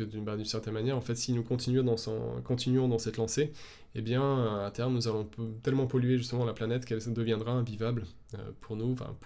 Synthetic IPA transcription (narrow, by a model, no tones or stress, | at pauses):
əd̪ynbad̪ynsɛʁt̪ɛnmanjɛʁɑ̃fɛt̪sinukɔ̃t̪inyd̪ɑ̃sɔ̰̃kɔ̃t̪inyɔ̃d̪ɑ̃sɛt̪lɑ̃se | ebjɛ̃øat̪ɛʁmnuzalɔ̃t̪ɛlmɑ̃pɔlɥeʒyst̪əmɑ̃laplanɛt̪kɛld̪əvjɛ̃d̪ʁaɛ̃vivabl | ø̰pʰuʁnũfɛ̰̃p